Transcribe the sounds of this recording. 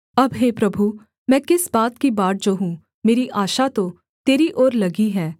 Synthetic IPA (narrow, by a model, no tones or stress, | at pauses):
ɐbɦeːpɾɐbʱu | mɛ̃ːkɪsbaːt̪kibaːʈ̚d͡ʒoːɦũ | meːɾiʔaːʃat̪o | t̪eːɾiʔɔːɾlɐɡiɦɛː